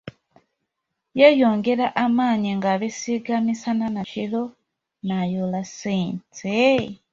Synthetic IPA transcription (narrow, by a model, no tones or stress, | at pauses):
jajo̞ːŋɡe̞ɾaʔamaːɲiŋɡaβisiɡamisananaʃilo | najolasiːnt͡se